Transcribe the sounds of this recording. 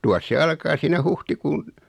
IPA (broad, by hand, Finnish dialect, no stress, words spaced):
tuɑs se ɑlkɑː siːnæ huhtikuːn